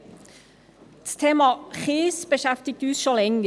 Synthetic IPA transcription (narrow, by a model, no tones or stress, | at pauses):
t̪ʰeːmɑχiːsbəʃɛft̪ɪɡ̚t̪ʉːsʃɔlɛŋɡ